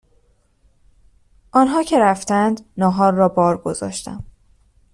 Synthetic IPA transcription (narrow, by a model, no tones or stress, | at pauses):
ʔɒːnɦɒːcʰe̞ɾæft̪ænd̪nɒːɦɒːɾːɒːbɒːɾɡo̞zɒ̰ːʃt̪æ̰m